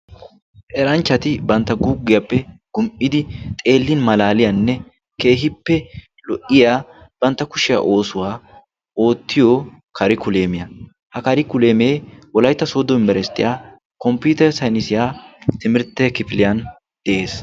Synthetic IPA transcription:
ʔɛɾɐnt͡ʃːɐt̪ɪbɐnt̪ːɐɡuɡːɪjɐpːɛɡ̥ʊmʔɪd̪ɪt̪ʼe̞ːlːɪnmɐlaːlɪjɐnːɛ | ke̞ːɦɪpːɛ | lɔʔɪjaːb̥ɐnt̪ːɐkʊʃɪja̰ʔo̞ːsʊwaː | o̞ːt̪ːɪjo | kɐɾɪkʊle̞ːmɪjɐ | hɐkɐɾɪkʊle̞ːme̞ːwɔlɐjt̪ːɐsoːd̪ɔmbɛɾɛst̪ːɪjaː | kɔmpjuːt̪ɛɾsɐjnɪsɪjaːt̪ɪmɪɾt̪ːɛkɪfɪlɪjɐn | d̪̥ɛʔe̞ːs

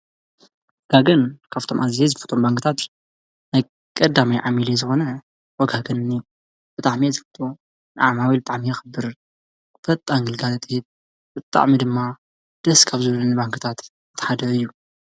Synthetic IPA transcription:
wɔɡ̥aɡɐnkʰaft̪ʰo̞mʔazzezɨfɨ̥t̪ʰʼo̞mbaŋkʰɨt̪ʰat̪ | naj | kʼɐd̪amajʕamilezɨxo̞nɐ | wɔɡaɡɐnni | b̥ɨt̪ʼaʕmijezɨfɨt̪ʼo̞ | nɨʕamawibɨt̪ʼaʕmijɛxɨbɨɾ | bɐt̪ʼːaŋɡɨlɡalɐt̪ʰɨhit̪̚ | b̥ɨt̪ʼa̰ʕmid̪ɨmːa | d̪̥ɐskʰaβzɨβlɨnɨbaŋkʰɨ̥t̪ʰat̪ | t̪ʰːħad̪ɐɨjːu

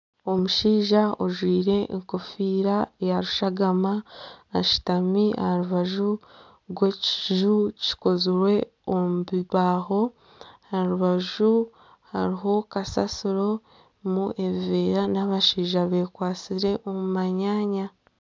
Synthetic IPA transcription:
o̞muʃiːʒaoʒwiːɾe̞ʔːŋko̞fiːɾajaɾuʃaɡamaːʃi̥tamia̰aɾuβaʒu | ɾwe̞ci̥ʒuci̥ko̞zuɾwe̞ | omuβiβaːho̞ | haɾuβaʒu | ha̰ɾiɦo̞kasa̰siɾo̞ | muʔe̞βiveːɾanaβaʃiːʒaβe̞ːkwaːt͡siɾe̞ʔo̞mumaɲaːɲa

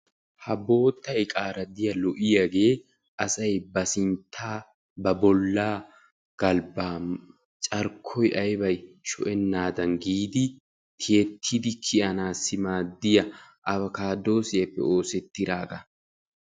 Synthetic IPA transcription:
hɐbo̞ːt̪ːɐjkʼaːɾɐd̪ɪjɐlɔʔɪjɐɡe̞ː | ʔɐsɐjbɐsɪnt̪ʰːaː | bɐbɔlːaː | ɡ̥ɐlbaː | t͡ʃʼɐɾkʰɔjʔɐjbɐjt͡ʃɔ̰ʔɛnːaːd̪ɐnɡiːd̪ɪ | t̪ʰɪjɛt̪ʰːɪd̪ɪkʰɪʔɐnaːsːɪmaːd̪ːɪjɐʔɐbɐkaːd̪o̞ːsɪjɐpːɛ̰o̞ːsɛt̪ːɪɾaːɡɐ

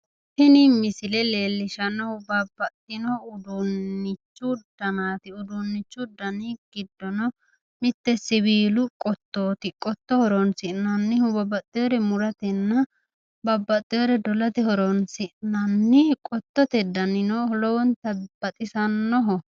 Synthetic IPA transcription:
pɪnɪmɪsɪlɛleːlːɪʃɐnːɔhʊbɐbːɐt̪ʼːɪnɔʊd̪ʊnːɪt͡ʃːʊd̪̥ɐnaːt̪ɪʊd̪ʊnːɪt͡ʃːʊd̪ɐniɡ̥ɪd̪ːɔnɔ | mɪt̪ːɛsɪβiːlʊkʼɔt̪ːoːt̪ɪkʼɔt̪ːɔhɔɾɔnsɪnɐnːɪhʊbɐbɐt̪ʼːɪjɔɾɛmʊɾɐt̪ɛnːɐ | bɐbːɐt̪ʼːɪjɔɾɛd̪ɔlɐt̪ɛhɔɾɔnsɪʔnɐnːɪkʼɔt̪ːɔt̪ɛd̪ɐnɪnɔhɔlɔwɔnt̪ɐbɐt̪ʼɪsɐnːɔɦɔ

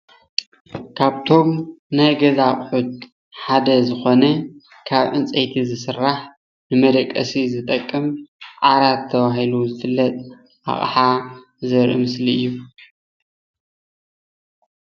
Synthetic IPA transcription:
kʰaβt̪ʰo̞mnajɡɐzaχʼħut̪̚ | ħad̪ɐzɨxo̞nɐ | kʰaβʕɨnt͡sʼejt̪ʰizɨsɨrːaħ | nɨmɐd̪ɐkʼːɐsizɨt̪ʼɐkʼːɨmʔaɾat̪ʰːɐβaɦiluzɨfɨlːɐt̪ʼ | ʔa̰χʼħa | zɐɾʔḭmɨsliɨjːu

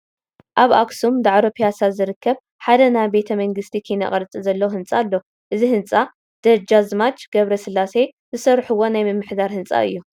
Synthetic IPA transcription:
ʔaβa̰ksumd̪aʕɾopʰijasazɨɾɨkːɐβ | ħad̪ɐnajbe̞t̪ʰɐmɐŋɡɨst̪ʰikʰijnɐ̰χʼɐɾt͡sʼizɐlːɐwɦɨnt͡sʼalːo | ʔɨzihɨnt͡sʼa | d̪̥ɐd͡ʒazmat͡ʃɡ̥ɐβɾɐsɨlːase̞ | zɨsɐrħuwːo̞najmɨmːɨħd̪aɾhɨnt͡sʼa̰ɨ̰jːu

